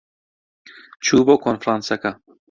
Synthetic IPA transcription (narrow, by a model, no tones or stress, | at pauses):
t͡ʃuːbokonfɾansaka